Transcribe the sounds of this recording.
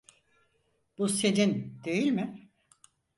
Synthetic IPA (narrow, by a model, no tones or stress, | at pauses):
b̥use̞d͡ʒind̪e̞jilʲmɪ